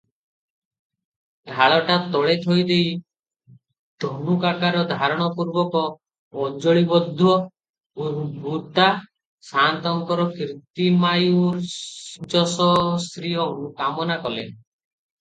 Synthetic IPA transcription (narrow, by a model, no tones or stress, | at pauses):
ɡʱaɭɔʈat̪ɔɭet̪ʰɔjd̪ej | d̪̥ʱɔnukakaɾɔd̪ʱaɾɔɽ̃ɔpuɾbɔkɔ | ɔd͡ʒɔɭibɔd̪ʱːuwɔ | ubut̪a | sant̪ɔŋkɔɾɔkɾit̪imajuɾd͡ʒɔsɔst̪ɾiɔ̃ũkamɔnakɔlḛ